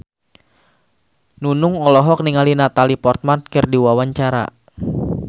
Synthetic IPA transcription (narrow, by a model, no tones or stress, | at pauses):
nunʊŋɔlɔɦɔk̚niŋalinat̪alipɔrt̪̚mankɨrdiwawaɲt͡ʃaɾa̰